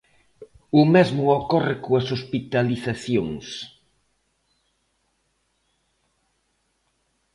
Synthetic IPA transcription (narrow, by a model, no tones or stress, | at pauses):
ʊmezmʊɔkɔrɪkoɐsospit̪aliθaθjoŋs